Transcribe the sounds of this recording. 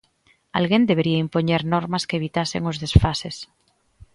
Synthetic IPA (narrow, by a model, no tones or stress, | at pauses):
a̰lɣend̪eβeɾiaimpoɲeɾnoɾmaskeːβ̞it̪asḛŋozðesfases